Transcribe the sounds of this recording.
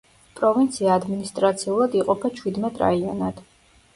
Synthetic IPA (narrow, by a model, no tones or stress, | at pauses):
pʼɾɔvint̪sʰiaːd̪minist̪ʼɾat̪sʰiulˠad̪iqʼɔpʰat͡ʃʰwid̪mɛt̪ʼɾa̰iɔ̰nad̪̥